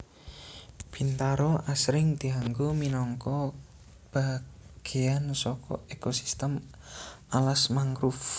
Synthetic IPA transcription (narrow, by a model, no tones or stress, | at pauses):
b̥int̪aɾɔʔasɾɪŋd̪̥iaŋɡominɔŋkɔ | b̥aɡ̥eansɔkɔ̰ekosi̥st̪əm | alasmaŋɡɾuf